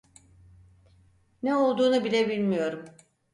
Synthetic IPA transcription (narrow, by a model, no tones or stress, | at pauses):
neo̞lˠd̪uːnubilʲebilʲmijo̞ɾum